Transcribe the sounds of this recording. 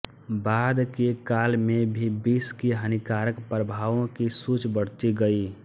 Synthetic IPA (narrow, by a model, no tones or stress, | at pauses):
baːd̪kekaːlmẽbʱibiːskiɦənikaːɾəkpɾəbʱaːʋõkisut͡ʃbəɽ̤t̪iɡəi